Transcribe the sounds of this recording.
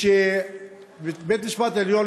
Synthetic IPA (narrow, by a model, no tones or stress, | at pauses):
e | bet̪niʃpat̪eljo